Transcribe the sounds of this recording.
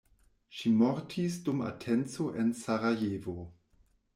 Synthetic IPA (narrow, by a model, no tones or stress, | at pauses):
ʃimoɾtʰisduma̰tʰent͡so̞ʔensaɾajevo